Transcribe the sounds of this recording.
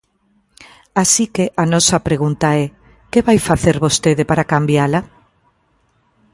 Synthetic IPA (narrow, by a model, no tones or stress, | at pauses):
asikeʔanɔsapɾeɣ̞unt̪aɛ | keβajfaθeɾβost̪eðepaɾakambjala